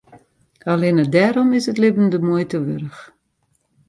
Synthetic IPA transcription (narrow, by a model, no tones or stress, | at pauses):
alenədɛːɾɔmɪsətlɪbəndəmujtəʋøɾəx